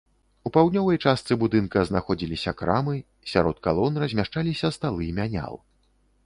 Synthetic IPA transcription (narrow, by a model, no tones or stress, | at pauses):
upawd̪nʲɔvɐjt͡ʂast̪sɨbud̪ɨnkɐznaxɔd͡zʲilʲisʲɐkɾa̰mɨ | sʲaɾɔt̪̚kalˠɔnrɐzʲmʲaʂt͡ʂalʲisʲɐst̪alˠɨmʲanʲa̰lˠ